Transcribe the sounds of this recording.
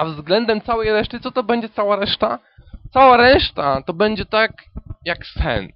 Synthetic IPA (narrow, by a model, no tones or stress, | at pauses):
avzɡlɛnd̪ɛmt̪sawɛjɾɛʂt̪ɘt̪sɔt̪ɔbɛɲd͡ʑɛt̪sawaɾɛʂt̪a̰ | t̪sawaɾɛʂt̪at̪ɔbɛɲd͡ʑɛt̪akjaksɛ̰n